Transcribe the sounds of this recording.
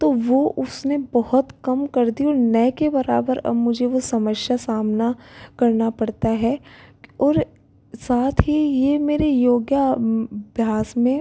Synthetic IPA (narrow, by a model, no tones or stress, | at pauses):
t̪oʋoʔʊsnebɐɦʊt̪kɐmkɐɾd̪iɔːɾnɐjkebɐɾa̰ːbəɾɐ̰bmʊd͡ʒʱeʋosɐməʃjasaːmnakɐɾnapɐɽt̪aɦɛ | ɔːɾ | saːt̪ʰɦijemeːɾejoːɡjəbʱjaːsmẽ